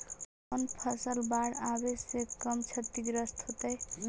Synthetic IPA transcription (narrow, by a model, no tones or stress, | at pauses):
ʌnpʰʌsʌlbaɽabesekʌmt͡ʃʰʌt̪ːiɡɾʌst̪ɦot̪ʌj